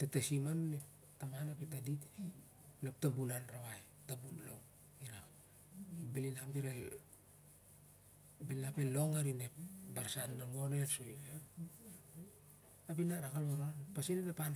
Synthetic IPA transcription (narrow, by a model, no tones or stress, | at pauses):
tatasimannep | tamanapitadit | nep̚tabunanɾawaj | tabunlo̰ŋ | iɾa | bilinapɡiɾa | bilinapelo̞ŋaɾinepbaɾsanːalonesoje | apinaɾakaloɾonpasinenapan